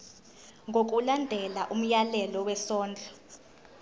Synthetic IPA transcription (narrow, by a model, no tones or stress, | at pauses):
ŋɡʱok̬ʼulandʱɛlaʔum̩jalɛlɔwɛsɔːnd͡ɮʱɔ